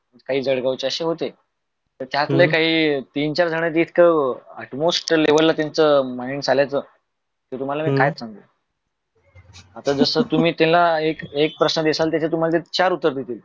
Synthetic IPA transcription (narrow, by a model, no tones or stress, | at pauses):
məd͡ʑkaɦiːd͡zəɽɡawt͡ɕeəɕeɦot̪e | t̪əɾt̪jat̪lekaɦiːt̪iːnt͡ɕaɾd͡zʱəɽ̃at̪eːt̪ʰkəəʈmosʈːeʋəlːat̪jant͡səmaiɳd͡zʱaljajt͡səː | k̪et̪um̤alamiːkajt̪sãŋɡ̪e | at̪ad͡zəsəːt̪um̤iːt̪ẽlaekek̚pɾəsnəd̪esalt̪jat͡ɕat̪um̤alat̪̬et̪t͡ɕaɾut̪ːəɾd̪ʱet̪iːl